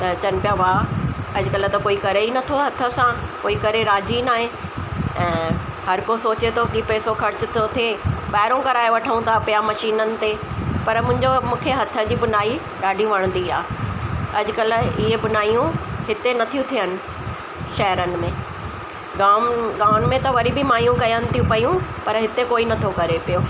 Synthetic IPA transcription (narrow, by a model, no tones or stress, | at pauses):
t̪ɐt͡ɕɐnɪ̆pijaʋaɐd͡ʑʊkɐlə̆t̪ɐkoːikɐɾeinɐt̪ʰoɦɐt̪ʰə̆sãkoːikɐɾeɾaːd͡ʑinaːɦẽ | ɛ̃ːhɐɾkosoːt͡ɕet̪ʰokipɛːsoxɐɾɪt͡ɕʊt̪ʰot̪ʰeɓaːɦɪɾõkɐɾaːeʋɐʈʰəũnt̪apɪjamɐʃiːnənɪ̆t̪e | pɐɾmʊ̃ɦɪ̃ɲd͡ʑomũːkʰeɦɐt̪ʰə̆d͡ʑiːbʊnaːi | ɗaːɖʱijũʋɐɽ̃nd̪iaː | ɐd͡ʑʊkɐlɪɦebʊnaːijũɦɪt̪enɐt̪ʰijũt̪ʰijənɪ̆ | ʃɐɦəɾənɪ̆mẽ | ɡaːmɡaːnmẽt̪ɐʋɐɾibɪmaːjũkɐjənɪ̆t̪ʰijũpɐjũpɐɾɦɪt̪ekoːinɐt̪ʰokɐɾepijoː